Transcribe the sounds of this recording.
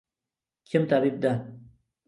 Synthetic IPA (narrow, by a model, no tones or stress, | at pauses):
kʰemt̪abib̚d̪a